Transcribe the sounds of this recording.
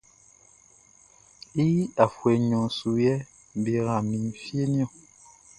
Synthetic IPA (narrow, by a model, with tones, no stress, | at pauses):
i˦i˦a˨fwɛ˨ɲɔ̃˨su˨jɛ˦ | m˨be˨ɣã˨mi˨n˨fje˦njɔ˦˨